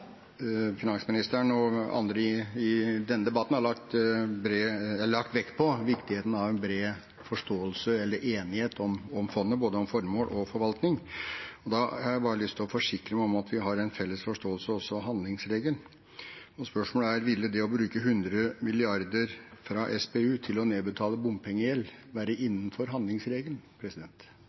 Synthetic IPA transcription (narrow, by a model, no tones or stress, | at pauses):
fɪnɑnsmɪnɪst̪əɳɔɑ̰nd̪ɾəɪɪd̪ɛnːəd̪ɛbɑt̪ːn̩hɑɾɭɑkt̪bɾɭɑkt̪ʋɛk̪ːpʰɔʋɪkt̪ɪheːt̪ən̩ɑʋɛnbɾeː | fɔʂtoːəlsəɛlːəɾʔeːnɪheːt̪ʰɔmɔmfɔnːəboːd̪əɔmfɔɾmoːlʔɔfɔɾʋɑlt̪nɪŋɔd̪ɑhɑɾjæɪbɑːɾəlʏst̪ʰɪlɔfɔʂɪkɾəmɛɔmɑt̪ʰʋɪɦɑɾɛɪnfɛlːəsfɔʂʈoːəlsəɔsːɔɦɑnd̪lɪŋsɾeːɡəl | ɔspœʂmoːləæɾʋɪlːəd̪ɛɔbɾʉːkəɦʉnd̪ɾəmɪlɪɑɾd̪əɾfɾɑʔɛspeʉːt̪ʰɪlɔneːbət̪ʰɑːləbʊmpʰɛŋːəjɛlː | ʋæːɾəʔɪnːən̩fɔɾɦɑnd̪lɪŋsɾeːɡəlpʰɾɛsɪd̪ɛnt̪